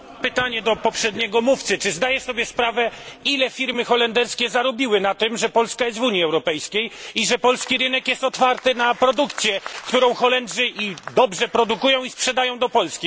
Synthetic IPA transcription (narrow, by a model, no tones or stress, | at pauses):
pɘt̪aɲɛd̪ɔpɔpʂɛd̪ɲɛɡɔmuft̪sɘt͡ʂɘzd̪ajɛsɔbʲjɛspɾavɛilɛfʲiɾmɘxɔlɛnd̪ɛɾskʲɛzaɾɔbʲiwɘnat̪ɘmʐɛpɔlskajɛst̪vuɲiɛwɾɔpɛjskʲejiʐɛpɔlskʲiɾɘnɛkjɛst̪ɔt̪faɾt̪ɘnapɾɔd̪ukt̪sʲjɛkt̪uɾɔ̃w̃xɔlɛnd̪ʐɘʔid̪ɔbʐɛpɾɔd̪ukujɔ̃w̃ispʂɛd̪ajɔ̃w̃d̪ɔpɔlskʲi